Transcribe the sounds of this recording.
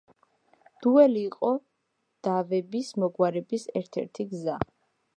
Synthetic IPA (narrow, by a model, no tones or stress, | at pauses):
d̪̥uɛliːqʼɔ | d̪̥avɛbismɔɡwaɾɛbisɛɾt̪ʰɛ̰ɾt̪ʰiɡza